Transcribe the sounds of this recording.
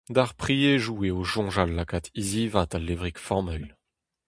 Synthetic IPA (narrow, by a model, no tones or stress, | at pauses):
d̪aʁpχieʒueoʒɔ̃ʒalːakat̪iziːvat̪alːevʁikfɔmœjl